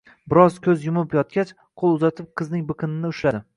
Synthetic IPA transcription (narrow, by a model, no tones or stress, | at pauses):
bɪɾɒzkʲʰɵzjʊmʊpjɒt̪̚kʲat͡ʃ | qʰolˠʊzat̪ʰɪp̚qʰɨznɪŋbɨqʰɨnɪnɪʊʃlad̪ɪ